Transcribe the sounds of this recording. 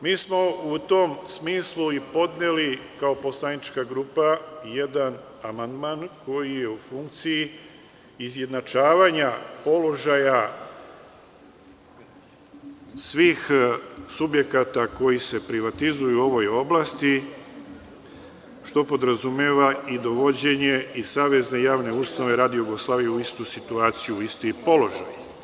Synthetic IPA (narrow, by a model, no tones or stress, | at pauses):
miːsmo̞ut̪o̞msmiːsluipo̞d̪nelikaopo̞slanit͡ʃkaɡɾuːpaje̞d̪an | amand̪maːnko̞jije̞ufuŋk̚t̪siji | izje̞d̪nat͡ʃaːʋaɲapo̞lo̞ʒaja | sʋiːxsubje̞kat̪ako̞jise̞pɾiʋat̪izujuo̞ʋo̞jo̞blast̪i | ʃt̪o̞po̞d̪ɾazumjeːʋaid̪o̞ʋo̞d͡ʑe̞ɲe̞isaːʋe̞zne̞jaːʋne̞ust̪anoʋe̞ɾaːd̪ijjuɡo̞slˠaːʋijeuist̪usit̪uaːt̪sijuist̪ipo̞lo̞ʒa̰j